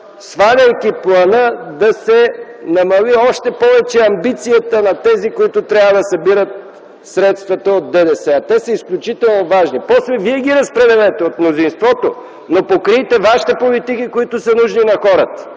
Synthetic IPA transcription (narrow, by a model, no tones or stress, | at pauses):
svad̪ʲɐjkʲiplˠɐnəd̪ɐsɛnɐmɐliɔʃt̪ɛpɔvɛt͡ʃɛɐmbit̪sijət̪ənɐt̪ɛzikoit̪ʊt̪ɾʲabvəd̪ɐsɐbiɾət̪̚ | sɾɛt̪st̪vɐt̪əod̪̚d̪ɛd̪ɛsɛɐt̪ɛsəisklʲut͡ʃit̪ɛlˠnovaʒnipɔslɛviɛɡ̟iɾɐspɾɛd̪ɛlɛt̪ɛot̪mnʊzinst̪vɔt̪o | nopokɾit̪ɛvaʃi̥t̪ɛpolit̪ikikoit̪ʊsənuʒninɐxɔɾət̪ə̥